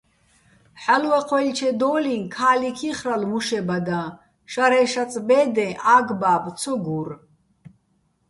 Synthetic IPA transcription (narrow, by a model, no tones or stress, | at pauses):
ħalwɛqʰwɛlt͡ʃʰɛd̪ɔːlinkʰaːlikʰiχralmuʃɛbad̪a | ʃaɾɛʃat͡sʼbɛːd̪ɛ̃ʔaːɡbaːbt͡sʰɔɡur